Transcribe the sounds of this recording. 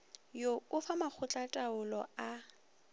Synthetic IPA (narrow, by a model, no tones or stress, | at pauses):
joʊfamak͡xʰʊt͡ɬʼatʼaʊlɔa